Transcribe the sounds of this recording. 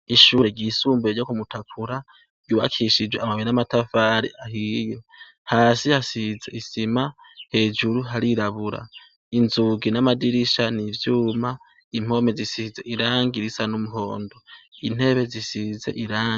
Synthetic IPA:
iʃuːɾeɡisuːmbeɾɟokumutakʰuɾa | ɡ̥uβa̰kʰiʃid͡ʒweamaβiɾinamatafaɾḭʔaɦije | haːsihasize̞̰isima | he̞ːd͡ʒuɾuɦaɾiɾaβuɾa̰ | inzuɡinamadiɾiʃanivjuːma | im̥ho̞me̞zisize̞ʔiɾaːŋɡiɾisanumuɦo̞ːndoin̥e̞βe̞zisize̞̰ʔiɾaːŋɡi

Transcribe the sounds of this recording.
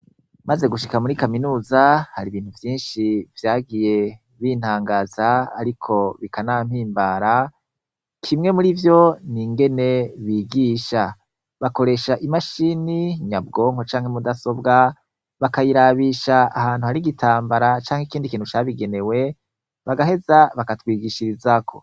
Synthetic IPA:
maze̞ɡuʃikamuɾikaminuːzahaɾiβiːn̥huvjiːnʃivjaːɡije̞ | βiːn̥haːŋɡaːzaːɾikʰo̞βikanam̥hiːmbaɾa | kʰimŋe̞muɾivjo̞niŋɡe̞ne̞βiːɡiːʃa | βako̞ɾe̞ʃaʔimaʃiniɲab̚ɡo̞ːmhot͡ʃaːŋhemudaso̞bɡa | βakajiɾaβiːʃaahaːn̥uhaɾiɡitʰaːmbaɾat͡ʃaːŋheikiːndikiːn̥ut͡ʃaβiɡe̞ne̞we̞ | βaɡaɦe̞zaβakatwiːɡiʃiɾizakʰo̞̰

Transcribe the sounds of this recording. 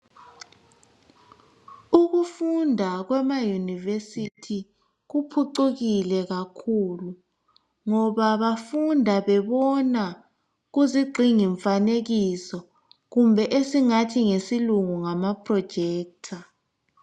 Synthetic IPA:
uɣufundʱaɣwɛmajunivesitʰi | ɣupʰuǀuɣilɛɣakʰulu | ŋɔβaβafundʱaβɛβɔna | ɣuziɡ͡ǀʱiŋiɱfaneɣisɔ | ɣumbʱɛʔesiŋatʰiŋesiluŋuŋamapʰrɔd̥ʒ̥ʱɛːk̚tʰa

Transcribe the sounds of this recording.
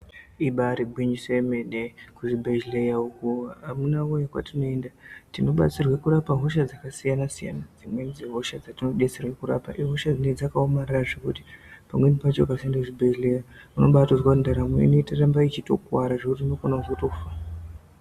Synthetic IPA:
iɓaɾiɡwiɲiseeme̞ɗekuʐibʱeʒlejaukuamunaojakwa̰tino̞e̞ndatino̞ɓa̰t͡sirwekuɾapaɦo̞ʃad͡zakasijanasija̰nad͡zimwend͡zeɦo̞ʃad͡zatino̞ɓet͡serwekuɾa̰pa̰ʔiɦo̞ʃad͡zined͡zakaomarraʐekuti̥pamwe̞nipat͡ʃoakasiendakuʐibʱeʒlejauno̞ɓatozwaundaɾamwḛnetarambait͡ʃito̞̰kwaɾaʐekut̬iuno̞konauzoto̞fa

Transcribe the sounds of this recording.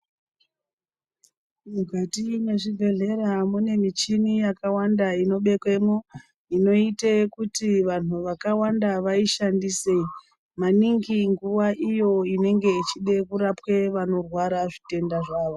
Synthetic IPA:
muɡʱatine̞ʐiɡʱe̞ɮe̞ɾamune̞mit͡ʃinijakawandaino̞ɓe̞kwemo | ino̞itekutiʋan̤uʋakawandaʋaiʃandisei | maniŋɡiŋɡuʋaʔijo̞ine̞ŋɡe̞it͡ʃiɗe̞kuɾapwe̞ʋano̞rwaɾaʐite̞ndaʐaːʋo

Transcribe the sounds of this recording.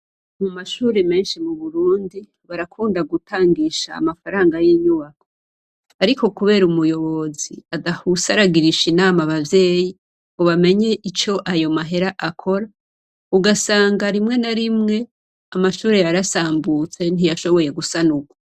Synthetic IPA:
mumaʃuːɾeme̞ːnʃimuβuɾuːndi | βaɾakʰuːndaɡutʰaːŋɡiʃa̰ːmafaɾaːŋɡajiɲuβakʰo̥ | aɾiko̞kuβe̞ːɾumujo̞βo̞ziaɡahusaɾaɡiɾiʃinaːmaβavje̞ːji | oβame̞ɲe̞ʔit͡ʃo̞ʔajo̞maɦe̞ɾaʔakʰo̞ɾa | uɡasaːŋɡaɾimŋe̞naɾimŋe̞ | amaʃuːɾejaɾasaːmbut͡se̞n̥ijaʃo̞βo̞je̞ɡusanuɡwa

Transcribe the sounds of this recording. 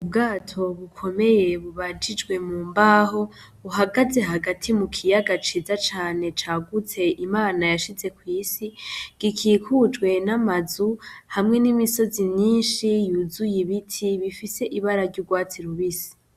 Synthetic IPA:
ubɡaːtʰo̞βukʰo̞me̞je̞βuβad͡ʒid͡ʒɡwe̞muːmbaːho̞βuɦaɡaze̞ɦaɡatʰimukʰijaɡat͡ʃizat͡ʃaːne̞t͡ʃaːɡut͡se̞ʔimaːnajaʃize̞kwiːsiɡ̥ikʰiːkʰud͡ʒɡwe̞namazuhamŋe̞nimiso̞zimɲiːnʃijuzujiβitʰiβifise̞ʔiβaɾaɾɟuɡwaːt͡siɾuβisi̥

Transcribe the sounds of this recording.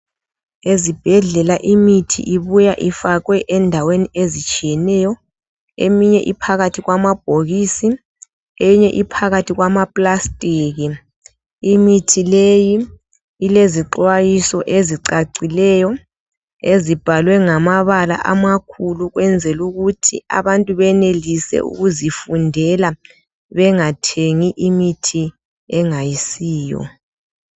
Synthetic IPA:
ezib̥ʱɛɮɛlaʔimitʰḭʔiβujaʔifaɣwɛʔɛndʱaweniezit͡ʃʼijɛnɛjɔ | ḛmiɲɛ̰ʔipʰaɣatʰiɣwamab̥̚ʱoɣisi | eɲɛʔipʰaɣatʰiɣwamapʼlastʼiːɣi | imitʰilejiː | leziǃwajisɔʔeziǀaǀilɛjɔ | ezib̥ʱalwɛŋamaβala̰ʔamakʰuluɣwɛnd͡zʱɛluɣutʰḭa̰βantʼuβɛnelisɛ̰ʔṵɣuzifundʱɛla | βɛŋatʰeŋiʔimitʰi | ɛŋajisiːjɔ̰

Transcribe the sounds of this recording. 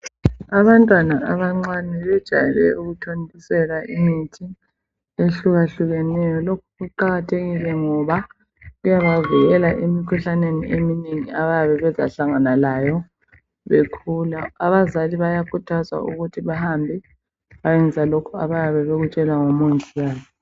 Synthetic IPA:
aβantʼwanaaβaŋ͡ǀanɛβɛd̥ʒ̥ʱa̰jɛlɛ̰ʔuɣutʰondʱisɛlaʔimitʰi | eɬuɣaɬuɣɛnɛjɔlokʰuɣuǃaɣatʰeɣilɛŋɔβa | lujaβaviɣɛlaʔimikʰuɬaneniʔemineŋiaβajaβɛβɛza̰ɬaŋanalajɔ | βekʰulaːβazaliβajakʰutʰaza̰ʔṵɣutʰiβahambʱɛ | βajɛnd͡zʱalokʰuaβajaβɛβeɣut͡ʃʼɛlaŋomonzʱʼiaːjɔ

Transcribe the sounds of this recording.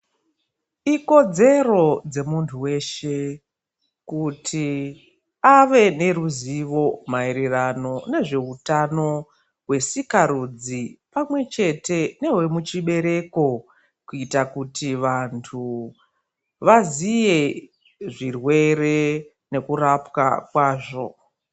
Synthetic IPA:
iko̞d͡ze̞ro̞d͡ze̞muntʰuwe̞ʃe̞ | kutʰi | aʋe̞ne̞ɾuziʋo̞maeɾerano̞ne̞ʐe̞utano̞ | ɦwe̞sikaɾud͡zipamwe̞t͡ʃe̞te̞ne̞we̞mut͡ʃiɓe̞ɾe̞ko̞ | kuitakutiʋantʰu | ʋazije̞ | ʐirwe̞ɾe̞ | ne̞kuɾapka̰kwaːʐo̞̰

